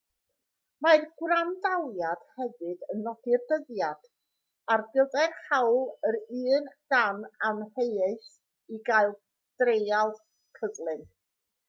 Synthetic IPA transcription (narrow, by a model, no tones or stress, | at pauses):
marɡwrandalˠjad̥hɛvɨdənːɔdɪrdəðjad̥ | arbɪlˠðɛɡhawlˠəɾɨːnd̥ananrejeɨθ | iɡaɨlˠ | d̥rejalˠ | kʰəðlˠɨn